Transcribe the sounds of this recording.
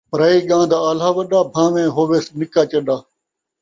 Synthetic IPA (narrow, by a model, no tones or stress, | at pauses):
pɾaːiːɠãːnd̪ʱaːəlaːʋəɗaːbʱãːʋẽːɦoːʋeːsnɪkaːt͡ʃəɗaː